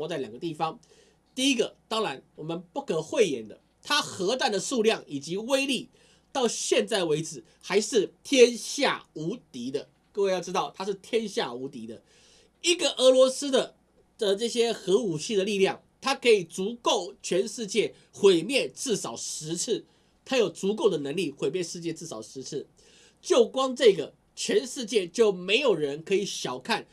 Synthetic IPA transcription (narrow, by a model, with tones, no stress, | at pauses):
ɔ˧t͡sa˥˩ɪjŋɡə˦t̪i˥˩fɑ˦ŋ | t̪i˥˩i˦˥ɡə˨t̪ɑ˥ŋɻa˧˥nwɔ˨˩mə˦npu˥˩kʰə˨˩xwe˥˩ɪjɛ˧˥nd̪ə˧ | t̪ʰa˥xɤ˧˥t̪a˥˩nd̪ə˩su˥˧ljɑ˥˩ŋi˨˩t͡ɕi˧˥we˥ɪli˥˩ | t̪ɑ˥˧ʊɕjɛ˥˧nt͡sa˥˩ɪwe˧˥ɪt͡sɹ̩˨˩ | xa˧˥ɪʂɻ̩˥˩t̪ʰjɛ˥nɕja̰˥˩u˧˥t̪i˧˥d̪ə˧ | kɤ˥˧we˥˧ɪjʊʈ͡ʂɻ̩˥t̪ɑ˥˩ʊt̪ʰa˥ʂɻ̩˥˩t̪ʰjɛ˥nɕja˥˩u˧˥t̪i˧˥d̪ə˧ | i˥ɡə˨ʔə˧˥lwɔ˧˥sɹ̩˥d̪ə˨ | d̪ə˨ʈ͡ʂɤ˥˩ɕjɛ˥xɤ˧˥u˨˩ɕi˥˩d̪ə˩li˥˧ljɑ˥˩ŋ | t̪ʰa˥kʰɤ˧˥i˨˩t͡su˧˥ko˥˩ʊt͡ɕʰɥɛ˧˥nʂɻ̩˥˧t͡ɕjɛ˥˩ | xwe˨˩ɪmjɛ˥˧nt͡sɻ̩˥˩sɑ˨˩ʊʂɻ̩˧˥t͡s̩ʰ˥˩ | t̪ʰa˥jo˨˩ʊt͡su˧˥ko˥˩ʊd̪ə˩nə˧˥ŋli˥˩xwe˨˩ɪmjɛ˥˧nʂɻ̩˥˧t͡ɕjɛ˥˧t͡sɻ̩˥˩sɑ̰˨˩ʊʂɻ̩˧˥t͡sʰɻ̩˥˩ | t͡ɕjo˥˩ʊkwɑ˥ŋʈ͡ʂɤ˥˩ɡə˩ | t͡ɕʰɥɛ˧˥nʂɻ̩˥˧t͡ɕjɛ˥˧t͡ɕjo˥˩ʊme˧˥ɪjo˨˩ʊɻə˧˦nkʰɤ˧˥i˨˩ɕjɑ˨˩ʊkʰa˥˩n